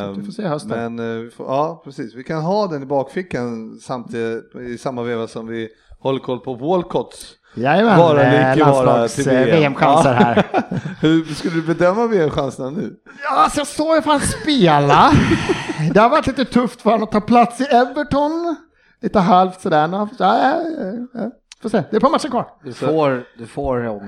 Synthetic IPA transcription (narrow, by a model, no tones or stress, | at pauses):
ɪfoːseːhœst̪əmɛnvɪfɑːpʰɾɛsiːsvɪkʰanɦɑːd̪ɛnɪbɑːkfɪkːansamt̪ʰːɪsamːaveːvasɔmvɪ | hɔlːəɾkʰɔlːpʰɔvoːlkʰɔt̪s | jajəmɛɑːɾaɪlavɑsːɾɑaːɡsʰɪlːveːɛmɧansəɾɦæ̰ːɾhɵskɵlːəd̪ɵbɛd̪œmːaveːɛmɧansnanʉ̟̰ː | jɑːsɔjɑsoːɾafat̪speːla | d̪ɛhaɾvaɾʈ̪liːt̪ət̪ʰɵft̪vɑːɾanɔt̪ʰːɑːpʰlat̪sɪɛvəʈɔn | liːt̪əɦalft̪sɔd̪æːɳaaːjajɑ | foːseːd̪ɛɾpʰɑːɾmat̪ːt͡ʃːəɾkʰvɑːʈ̪oːɾd̪ɵfoːɾ